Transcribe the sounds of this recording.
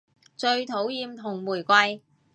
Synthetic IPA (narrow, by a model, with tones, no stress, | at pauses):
t͡ʃɵ˧ɥt̪ʰo˨˥wjiː˧mt̪ʰʊ˨˩ŋmuː˨˩jkʷɐ˧j